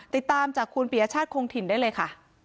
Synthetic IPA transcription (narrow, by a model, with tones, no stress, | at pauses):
t̪i˨˩t̪ːaː˧mt͡ɕaː˨˩kʰːu˧npi˨˩ja˧t͡ɕʰaː˥˩t̪̚kʰoː˧ŋt̪ʰi˨˩ndaː˥˩jlɤː˧jkʰa˥˩